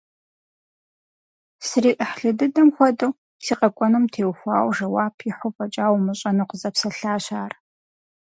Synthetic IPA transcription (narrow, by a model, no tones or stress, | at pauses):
sɨriːʔəħɬɨdɨdɐmxʷɔdɨw | siːqʼɐkʷʼɔnɨmtʰeːwxʷɑːwʒɐwaːpʰiħʊpʼɐt͡ʃʼaːwmɨɕʼɐnuqəzɐpsɐɬaːɕaːr